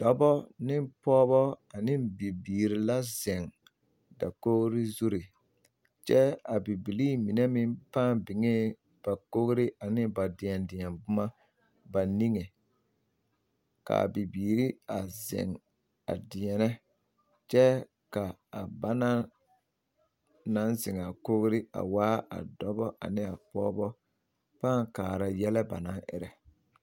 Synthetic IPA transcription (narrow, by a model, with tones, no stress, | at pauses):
d̥ɔ˦bɔ˦nɪ˦mpɔː˦bɔ˦a˨nɪ˦mbi˨biː˨ɾi˨la˦zɛ˨ŋ | da̰˨ko˦ɣɾɪ˦zu˦ɾi˨ | t͡ʃɛ˦a˨bi˨bi˨liː˦˨mi˨nɛ˦mɪ˦mpaː˦˨mbɪ˨ŋeː˦ | b̥a˨ko˦ɣɾɪ˦ʔa˨nɪ˦ba˨dɪ˨ɛ˨ndɪ˨ɛ˨nbʊ˦ma˦ | ba˨ni˦ŋe˨ | ka̰˨bi˨biː˨ɾi˦a˨zɪ̰˨ŋ | a̰˨dɪ˨ɛ˨nɛ˦ | t͡ʃɛ˦ | ka˨a˨ba˦na˦ | na˦nzɪ˨ŋa˨ko˦ɣɾɪ˦a̰˨waː˦a̰˨dɔ˦bɔ˦ʔa̰˨nɪ˦a˨pɔ̰ː˦bɔ˦ | paː˦˨ŋkaː˨ɾa˨jɛ˦lɛ˦ba̰˨na˦ʔɪ̰˦ɾɛ˨